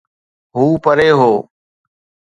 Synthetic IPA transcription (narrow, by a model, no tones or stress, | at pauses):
ɦuːpəɾeːɦoː